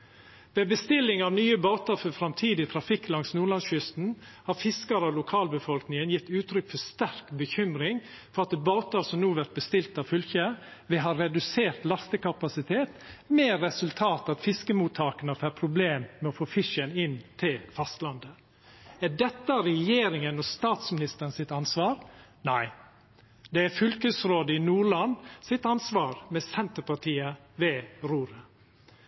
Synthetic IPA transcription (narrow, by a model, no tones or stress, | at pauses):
ʋɛːbəst̪ɪlːɪŋɑʋnyːəboːt̪əɾfɔfɾɑmt̪ʰiːd̪ɪt̪ʰɾɑfɪkːlɑŋsnuːɭɑnsçʏst̪n̩ | hɑɾfɪskəɾɑlʊkʰɑːlbəfɔlknɪŋənjɪt̪ːʉːt̪ʰɾʏkfɔʂt̪æɾkbəçʏmɾɪŋ | fɔɾɑt̪̚ɛboːt̪əɾsɔmnuːʋæɾt̪̚bəst̪ɪlt̪ɑʋfʏlçə | ʋɛɦɑɾːɛd̪ʉseːɾt̪lɑst̪əkɑpɑsɪt̪ʰeːt̪mɛːɾɛsʉlt̪ʰɑːt̪ɑt̪fɪskəmuːt̪ʰɑːkənəfæːɾpʰɾʊbleːmːɛɔfoːfɪʂənɪnt̪ʰɪlfɑst̪lɑnd̪ə | æɖɛt̪ːəɾɛjeːɾɪŋənɔst̪ɑːt̪smɪnɪst̪əɾənsɪt̪ɑnsʋɑːɾnæɪ | d̪ɛæɾfʏlkəsɾoːd̪əɪnuːɭɑnsɪt̪ɑnsʋɑːɾmɛsɛnt̪əpɑʈ̪ʰiːəʋeːɾuːɾə